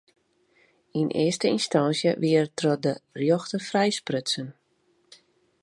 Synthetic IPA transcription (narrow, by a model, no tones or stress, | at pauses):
inʔɪ̰əstəinstansjəʋiərtrɔdərjoxtəfrɛjsprøtsən